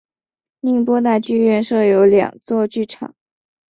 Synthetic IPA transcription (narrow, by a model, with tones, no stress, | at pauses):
ni˥˩ŋpwɔ˥t̪a˥˧t͡ɕy˥˧ɥɛ˥˧nʂɤ˥˩jo˧˥ʊljɑ̰˨˩ŋt͡swɔ˥˧t͡ɕy˥˩ʈ͡ʂʰɑ̰˨˩˦ŋ